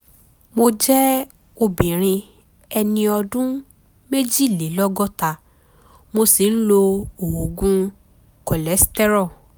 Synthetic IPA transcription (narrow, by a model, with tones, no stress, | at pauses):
mo˧d͡ʒɛ˦ | o˧bĩ˨ɾ̃ĩ˧ | ɛ˧nĩ˧ɔ˧dũ˦ | me˦d͡ʒi˦˨le˨˦lɔ˦ɡɔ˦ta˧ | mo˧si˨n̩˦lo˧o˨wo˨ɡũ˦ | kɔ˨lɛ˨˦stɛ˦ɾɔ˦˨